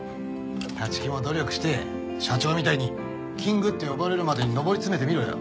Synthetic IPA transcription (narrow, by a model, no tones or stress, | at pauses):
t̪at͡ɕi̥kʲĩmod̪o̞ɾʲo̞kɯ̟̥ɕi̥t̪e̞ | ɕat͡ɕo̞ːmʲit̪aiɲ̟i | kʲĩŋɡɯ̟t̪ːe̞jo̞baɾe̞ɾɯ̟mad̪eɲ̟ino̞bo̞ɾʲit͡sɨme̞t̪e̞mʲiɾoja̰